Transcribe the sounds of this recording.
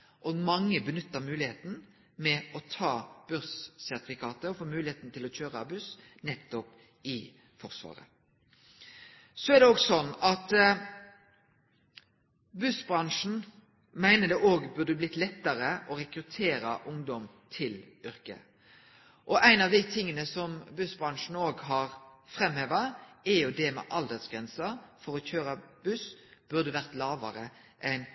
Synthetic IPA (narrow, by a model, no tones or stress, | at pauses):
ʔɔɡmɑŋːəbənʏt̪ːəʁmʉːlɪheːt̪n̩ | mɛɔt̪ʰɑːb̥œʁssæʁt̪ɪfɪkʰɑːt̪əɔfoːmʉːlɪheːt̪nt̪ɪlɔt͡ɕøːʁəɑbʉs | nɛt̪ːɔp | ɪ | fɔʁsʋɑ̰ːʁə̰ | sɔæʁd̪ɛɔːɡsɔnːɑt̪ | bʉsbʁɑŋʂn̩ | mæɪnəd̪ɛʔoːɡbʉʁd̪əblɪt̪lɛt̪ːɑɾəʔɔɾɛkɾʉt̪ʰeːɾɑ̰ʔʊŋd̪ɔm | t̪ʰɪl | ʏɾkə̰ | ʔɔʔæɪnɑʋd̪ɪt̪ʰɪŋːənəsɔmbʉsbʁɑnʂn̩oːɡɦɑɾfɾɛmheːʋɑɛɾjʊd̪ɛmɛ̰ʔɑld̪əd̪sɡ̥ʁɛnsɑfɔɾɔçøːɾɑb̥ʉsb̥ʉʁd̪əʋæʁt̪lɑːʋɑ̰ɾə | ʔɛn